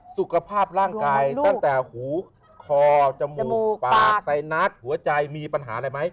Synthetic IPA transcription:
su˨˩kʰa˧pʰaː˥˩p̚ɾaː˥˩ŋkkaaː˧jt̪a˥˩t̪ɛː˨˩huː˩˦ | kʰɔː˧t͡ɕa˧muː˧˨˧paaː˨˩ksa˧jna˦˥t̪̚hu˨˩˦ɐt͡ɕa˧jmiː˧pa˧nɦaː˩˦la˧jma˦˥j

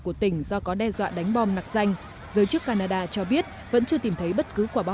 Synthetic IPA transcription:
ku˧˩ət̪ï˧˩ŋ̟zɔ˧kɔ˨˦ɗɛ˧zwa̰ː˧˨ɗa˨˦jŋ̟ɓɔ˧mna˨˩k̚z̥a˧jŋ̟ | zəː˨˦jt͡ɕɨ˦˥kːaː˧naː˧ɗa̰ː˧t͡ɕɔ˧ɓi˦˥ət̚ | və̰˧˥nt͡ɕɨ˧ət̪i˨˩mt̪ʰə˨˦jɓə˦˥t̚kɨ˨˦ku˧˩ɓa˧

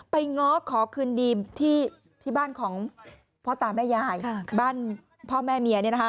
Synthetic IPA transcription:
pa˧jŋɔː˦˥kʰɔː˩˦kʰɯː˧ndiː˧mt̪ʰiː˥˩ | t̪ʰiː˥˩baː˥˩nkʰɔː˩˦ŋ | pʰɔː˦˥˩t̪aː˨˩mɛː˥˩jaː˧˩jbaː˥˩n | pʰɔː˥˩mɛː˥˩mi˨˩ɐni˥˩˨na˧kʰa˥

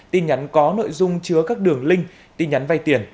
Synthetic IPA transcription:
t̪i˧nɲa˨˦nkɔ˨˦no̰˧˨jzʊ˧ŋ͡mt͡ɕɨ˨˦əkaː˦˥k̚ɗɨ˨˩əŋlï˧ŋ̟ | t̪i˧nɲa˨˦nva˧jt̪i˧˩ən

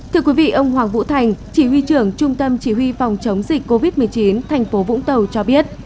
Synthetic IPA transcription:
t̪ʰɨ˧əkwi˨˦vḭ˧˨ʔə˧wŋ͡mhwaː˨˩ŋvṵ˧˥t̪ʰa˨˩jŋ̟t͡ɕi˧˩hwi˧t͡ɕɨ˧˩əŋt͡ɕʊ˧ŋ͡mt̪ə˧mt͡ɕi˧˩ɦwi˧fa˨˩wŋ͡mt͡ɕə˨˦wŋ͡mzï˨˩k̟̚ko˧vi˦˥t̚mɨ˨˩əjt͡ɕi˨˦nt̪ʰa˨˩jŋ̟fo˨˦vʊ̰˧˥ŋ͡mt̪ə˨˩wt͡ɕɔ˧ɓi˦˥ət̚

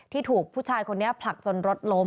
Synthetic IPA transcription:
t̪ʰiː˥˩t̪ʰuː˨˩k̚pʰuː˥˩t͡ɕʰaː˧jkʰo˧nːi˦˥ɐpʰla˨˩k̚t͡ɕo˧nɾo˦˥t̪̚lo˦˥

